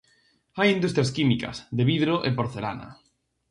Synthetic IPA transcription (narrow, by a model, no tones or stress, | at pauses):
ajind̪ust̪ɾjaskimikɐ̰sðeβiðɾoʔepoɾθela̰na̰